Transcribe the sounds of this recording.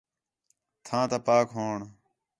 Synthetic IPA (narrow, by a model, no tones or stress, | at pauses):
t̪ʰãːt̪apaːkɦoːɳ